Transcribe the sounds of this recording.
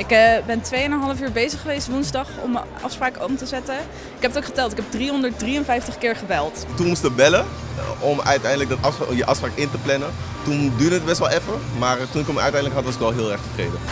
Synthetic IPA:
ɪkbɛntʋejənəɦɑləfyːɹbejzəχːəʋejstʋunzdɑχɔ̰mʔɑ̰fspraːkəomtəzɛtə | ɪkɦɛpətowkχətɛlˠtɪkɛb̚driɦɔndəɹt̚driənvɛjftəχkɪːɹχəbɛlˠtətukɔmstəbɛləɔmœ̰ɥtɛjndələk̚dɑtɑfsjəʔɑ̰fspraːkɪntəplɛnə | tundyːdəət̚bɛstʋɛlˠɛfəɹmaːrtunɪkəmœ̰ɥtɛjndləkɦɑtʋɑsɪkʋɛlˠɦɪːlˠɛɹχtəvrejdə

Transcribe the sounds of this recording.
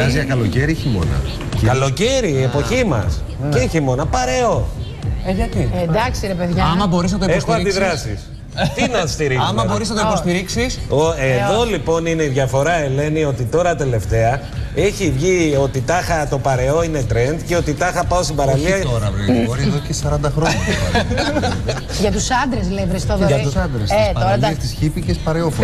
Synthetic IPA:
ɐzzjɐkɐlo̞ceɾiçimo̞̰nɐ̰ | kɐlo̞ceɾiːe̞po̞çimɐ̰s | ceçimo̞nɐpɐɾe̞o̞ | eʝɐt̪id̪ɐksiɾepeðʝɐɐmɐbo̞ɾiznɐt̪oiesxoɐnd̪iðɾɐsis | t̪inɐst̪iɾikɐmɐboɾisnɐt̪oipost̪iɾiksisoeðo̞lipo̞nineiðʝɐfo̞ɾɐe̞le̞nio̞t̪it̪o̞ɾɐt̪e̞le̞ft̪e̞ɐ | e̞çivʝio̞t̪it̪ɐxɐt̪o̞pɐɾe̞o̞ine̞t̪ɾe̞nd̪ce̞o̞t̪it̪ɐxɐpɐost̪ibɐɾɐliɐt̪oɾɐvoɾiðocesɐɾɐnd̪ɐxɾoɲɐ | ʝɐt̪usɐnd̪ɾeslevɾest̪oɐðoɐsɐnd̪ɾeset̪oɾɐɐst̪isçipicespɐɾeof

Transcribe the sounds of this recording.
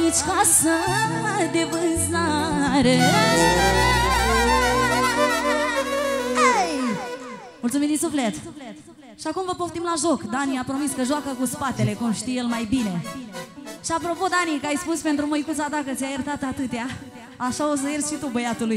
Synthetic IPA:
nit͡ʃkasə | d̪e̞vɨnzaɾe | ej | mult̪sumimd̪insuflet̪t | ʃiakumvəpoft̪imlaʒo̞kd̪aniapɾo̞miskəʒoakəkuspat̪e̞le̞kumʃt̪ijelmajbine̞ | ʃiapɾo̞po̞d̪anikəajspuspe̞nt̪ɾumojkut̪sat̪akət̪siajərt̪at̪at̪ɨt̪ea | aʃao̞s̬əjersʃit̪ubəjat̪uluj

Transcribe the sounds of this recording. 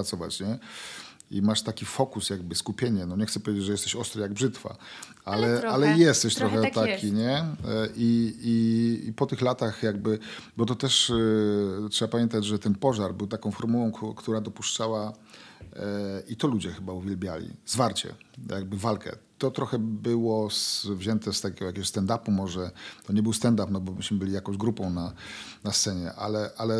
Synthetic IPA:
t̪sɔva̰t͡ɕɲɛ | imaʂt̪akʲifɔkusjaɡ̚bɘskupʲjeɲɛnɔɲɛxt̪sɛpɔvʲed͡ʑed͡ʑʐɛjɛst̪ɛɕɔst̪ɾajaɡ̚bʐɘt̪fa̰ | alɛalɛjɛst̪ɛɕt̪ɾɔxɛt̪akʲiɲɛʔiiipɔt̪ɘxlat̪axjaɡbɘbɔt̪ɔt̪ɛʂ | tʂɛbapamʲjɛnt̪̬ad͡ʑʐɛt̪ɛnpɔʐaɾbɘwt̪akɔ̃w̃fɔɾmuwɔ̃w̃kkt̪uɾad̪ɔpuʂt͡ʂawa | it̪ɔlud͡ʑɛxɘbauvʲjɛlbʲjalʲḭzvaɾt͡ɕɛ̰jʔaɡ̚bɘvalkɛ̰t̪ɔt̪ɾɔxɛbɘwɔsvʑɛnt̪ɛst̪akʲɛɡɔjakʲeɡɔɕst̪ɛnd̪apumɔʐɛt̪ɔɲɛbɘwst̪ɛnd̪apnɔbɔmɘɕmɘbɘlʲijakɔ̃w̃ʑd͡ʑɡɾupɔ̃w̃nanast̪sɛɲɛʔalɛʔalɛ

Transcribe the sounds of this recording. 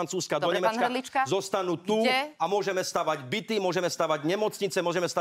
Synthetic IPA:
nt͡suːskad̪ɔɲɛmɛat͡skalit͡ʃkazɔst̪anuːt̪uɛamʊɔʒɛmɛst̪aːʋaɟbit̪imʊɔʒɛmɛst̪aːʋaɟɲɛmɔt͡sɲit͡sɛmʊɔʒɛmɛst̪a

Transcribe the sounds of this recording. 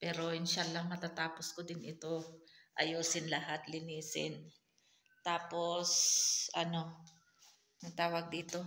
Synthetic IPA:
pɛːɾo̞jʊnʃalɐŋmɐt̪at̪aːposkod̪ɪnʔɪt̪o̞ʔɐjuːsɪnlɐɦat̪lɪniːsɪ̰n | t̪aːpo̞sʔɐno̞ | nɐŋt̪aːwɐɡ̚d̪iːt̪o̞

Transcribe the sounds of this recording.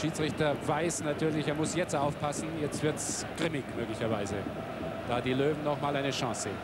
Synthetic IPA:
ʃiːt͡sʁ̥ɪçtɐvaɪsnatʰyːɐlɪçeːɐmʊsjɛt͡staʊfpʰasn̩jɛt͡stv̥ɪɐts | ɡ̥ʁɪmɪçmøːklɪçɐvaɪzə | d̥aːdiːløːvm̩nɔχmaːlaɪnəʃɑ̃ːsḛːn

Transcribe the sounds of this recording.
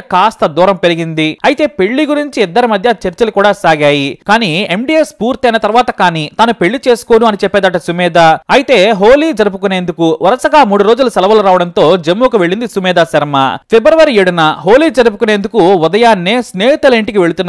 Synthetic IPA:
kaːst̪ɐd̪uːɾɐmpe̞ɾiɡind̪iɐjit̪e̞ːpe̞ɭːiɡuɾiɲt͡ʃiid̪ːɐɾimɐd̪ʱjɐt͡ʃɐɾt͡ʃɐlukuːɽaːsaːɡaːjikaːniːe̞mɖiːespuːɾt̪iɐjnɐt̪ɐɾʋaːt̪ɐkaːniːt̪aːnupe̞ɭːit͡ʃe̞ːsu̥ko̞ːnuɐnit͡ʃɛpːɛːd̪ɐʈːɐsumɛːd̪aːɐjit̪e̞ːɦoːliːd͡ʒɐɾup̬ukune̞ːnd̪ukuʋɐɾɐsɐɡaːmuːɽuɾoːd͡ʒulusɛlɐʋɐluɾaːʋɐɽɐnt̪o̞ːd͡ʒemːuːkɐʋe̞ɭːind̪isumɛːd̪aːsɐɾɐmapʰebɾɐʋɐɾieːɽunɐɦo̞ːliːd͡ʒɐɾup̬ukune̞ːnd̪ukuud̪ɐjaːnːeːsneːɦit̪ɐliɳʈik̬iʋe̞ɭut̪unː

